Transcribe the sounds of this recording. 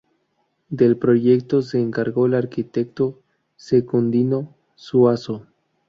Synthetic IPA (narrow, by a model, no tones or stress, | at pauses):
d̪elpɾoʝekt̪os̬eːŋkaɾɣo̞elaɾkit̪ekt̪o | sekund̪ino̞ | suaso